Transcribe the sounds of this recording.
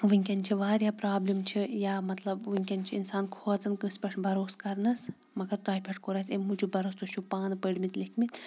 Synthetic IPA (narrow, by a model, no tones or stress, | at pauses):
ʋɨŋʲkʲɐnt͡ʃʰiʋaːɾjaːpɾaːblimt͡ʃʰijaːmɐt̪lɐbʋɨŋʲkʲɐnʲt͡ʃʰiinsaːnkʰoːd͡zɨnkɨspʲɐʈʰbɐɾoːskɐɾnɐs | mɐɡɐɾt̪aːjʲpʲʰɐʈʰkoɾasemːud͡ʒubɐɾost̪oʃʰupaːnɨpəɽmit̪likʰmit̪